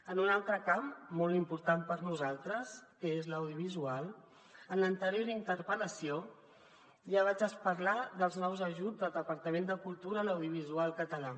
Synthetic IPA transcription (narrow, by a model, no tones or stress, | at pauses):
ənunalˠt̪ɾəkammːɔlˠt̪impuɾt̪ampəɾnuzalˠt̪ɾəskəezləwðjuβizualˠ | ənlənt̪əɾjoɾint̪əɾpələsio | ʒaβ̞ad͡ʒəspəɾlaðəlˠznɔwzəʒud͡zd̪əlˠd̪əpəɾt̪əmend̪əkulˠt̪uɾələwðjuβ̞izualˠkət̪əla